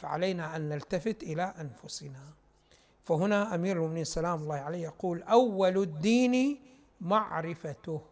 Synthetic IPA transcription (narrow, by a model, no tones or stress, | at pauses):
faʕa̰laːnaʔanːalt̪afɪt̪ʔɪlaʔanfʊsɪna | fahʊnaʔamiːɾɪlmʊʔmɪniːnsalaːmʊlˤːɑːhʕaleːhjaquːlʔawːald̪ːiːni | maʕɾɪfat̪ʊh